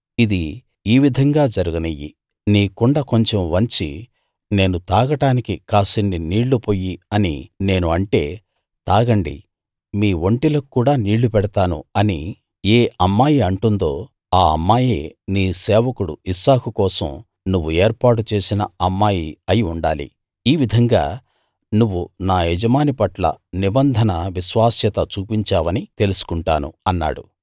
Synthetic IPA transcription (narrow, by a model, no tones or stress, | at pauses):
id̪i | iːʋid̪ʱɐŋɡaːd͡ʒɐɾuɡɐnɐjːḭ | niːkuɳɖɐko̞ɲt͡ʃemʋɐɲt͡ʃi | ne̞ːnut̪aːɡɐʈaːnikikaːsinːiniːɭːupoːjiɐnḭne̞ːnuɐɳʈe̞ː | t̪aːɡɐɳɖḭ | miːʋo̞ɳʈilɐkːuːɽaːniːɭːupɛɽɐt̪aːnṵɐni | eːʔɐmːaːjiɐɳʈund̪o̞ː | aːɐmːaːjeːniːsɛːʋɐkuɽṵisaːkukɔːsɐ̰m | nuʋːueːɾpaːʈut͡ʃe̞ːsinɐ̰ɐmːaːjiɐjiuɳɖaːlḭ | iːʋid̪ʱɐŋɡa̰ː | nuʋːunaːɛd͡ʒɐmaːnipɐʈlɐ̰nibɐnd̪ʱɐnɐʋiʃʋaːsjɐt̪ɐt͡ʃuːpiɲt͡ʃaːʋɐnit̪e̞lusu̥kuɳʈaːnṵɐnːa̰ːɽu